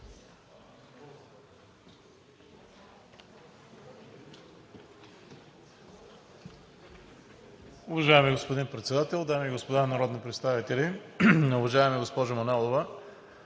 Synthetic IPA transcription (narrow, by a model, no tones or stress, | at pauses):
ʊvɐʒaɛmiɡospod̪inpɾɛt̪sɛd̪at̪ɛlˠd̪amiːɡospod̪anɐɾɔd̪nipɾɛt̪st̪avit̪ɛliʊvɐʒaɛmiɡospɔʒʊmonɛlˠovə